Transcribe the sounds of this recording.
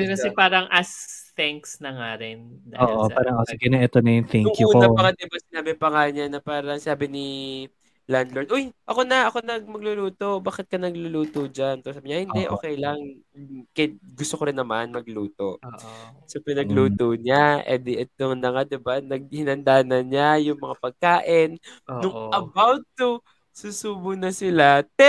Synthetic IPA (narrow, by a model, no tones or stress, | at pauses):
kɐsɛpaːɾɐŋʔɐst̪ɛŋksnɐŋaɾɪnd̪a̰oːʔoaːɾɐŋʔoːkɛɡɐnaʔɛt̪onɐjʊnt̪ɛŋŋkjuunɐɐŋɐd̪ɪbasɪnaːbɪpɐŋaɲanɐpaːɾɐŋsɪnaːbɪnɪ | land̪loɹd̪ojʔɐko̞nɐʔɐko̞nɐɡ̚mɐɡ̚lʊluːt̪o̞baːkɛt̪̚kɐnɐɡlʊluːt̪od͡ʒant̪osaːbɪɲaʔhɪnd̪ɛʔo̞ːkɛjlɐŋ | kɛɡʊst̪okoɾɪnːɐmanmɐɡluːt̪o̞ʔsopɛnɐɡluːt̪oɲaʔɛ̰d̪ɛʔɛt̪oŋnɐŋad̪ɪbanɐɡ̚hɪnɐnd̪aːnɐnɲajʊŋmɐŋapɐɡ̚kaːʔɪnnʊŋʔɐbawd̪̚t̪ʊ | susuːbʊnɐsɪlat̪ɛ